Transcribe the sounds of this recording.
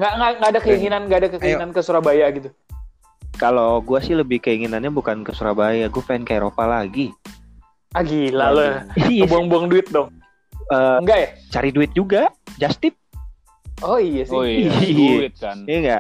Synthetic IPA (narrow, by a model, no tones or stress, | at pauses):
ŋɡaʔŋaŋɡaːdakəiŋinanŋɡaadakəkəinankəsuɾabajaɡit̪u | kaloɡuasɪhləbɪhkəiŋinanɲabukankəsuɾabajaɡuafankaiɾopalaɡi | aɡilaləhiabuaŋbuaŋduɪt̪̚dɔŋ | əːŋɡaʔjat͡ʃaɾiduɪt̪̚d͡ʒuɡad͡ʒast̪ɪp̚ | ʔoijas | t̪̚kanŋɡaʔ